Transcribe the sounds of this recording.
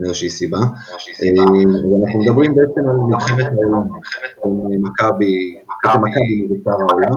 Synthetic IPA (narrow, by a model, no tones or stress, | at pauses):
eoʃisiba | evanaχnumed̪abʁimbeet͡semalmiχevet̪haolamiχevet̪memakabi | aatamakabibit͡savaolam